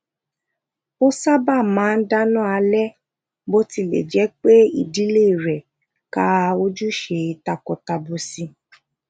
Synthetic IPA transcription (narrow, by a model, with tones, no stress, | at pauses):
o˦sa˦ba˦˨mãː˨˦n̩˦da˦nũ˦˨a˧lɛ˦ | bo˦ti˧lḛ˨d͡ʒɛ˨˦k͡pe˦i˦˨di˨˦le˦i˨ɾɛ˨ | ka˦˧o˦d͡ʒu˦ʃe˧i˧ta˧kɔ˨ta˧bo˧si˧